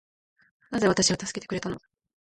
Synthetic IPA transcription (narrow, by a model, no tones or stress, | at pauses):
naze̞βat̪aɕiβat̪asɨ̥ke̞t̪ekɯ̟ɾe̞t̪ano̞